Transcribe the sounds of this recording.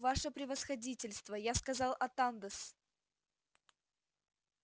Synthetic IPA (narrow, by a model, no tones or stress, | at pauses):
vaʂəpɾʲɪvəsxɐdʲitʲɪlʲst̪vəjaskɐzɑlˠʔɐt̪and̪əs